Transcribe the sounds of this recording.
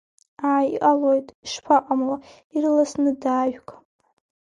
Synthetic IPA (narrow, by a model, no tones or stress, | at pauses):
aʕaiʔalojtʼiʂpʰaqʼamla | irɨlasnɨdaːʒᶣkʼ